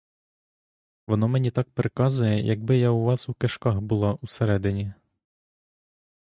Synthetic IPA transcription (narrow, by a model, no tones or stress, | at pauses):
ʋɔnɔmenʲit̪ɑk̚pɾekɑzʊjɛjʔɐɡ̚bɪjauʋɑsukeʃkɑxbʊlˠɑʔuseɾɛd̪ɪnʲi